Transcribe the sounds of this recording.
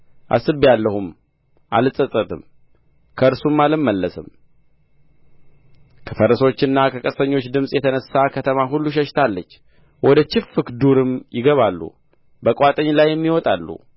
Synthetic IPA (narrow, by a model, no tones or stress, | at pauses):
ʔa̰sɨbijalːəhum | ʔa̰lɨsʼət̪ʼːət̪ʼɨm | kʰəɨɾsumːalɨmːəlːəsɨm | kʰəfəɾəso̞t͡ʃːɨnːakʰəkʼəsəɲːo̞t͡ʃːd̪ɨmsʼjɛt̪ʰənəsːakʰət̪ʰəmaɦulːuʃ̬əʃt̪ʰalːət͡ʃː | wʔɔd̪ət͡ʃɪfːɨkd̪uɾɨmjɪɡəβalːṵ | bəkʼwat̪ʼəɲːlajːɛmːiwɔt̪ʼalːṵ